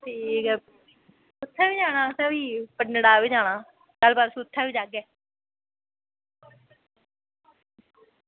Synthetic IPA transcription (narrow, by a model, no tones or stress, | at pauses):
ʈʰiːkɛ | sʊt̪ʰːaːʋiːd͡ʒaːɽ̃aːsãːʋiːpənːɽaːʋiːd͡ʒaːɽ̃aː | t̪albaːɾsʊt̪ʰːaːʋiːd͡ʒaːɡɛː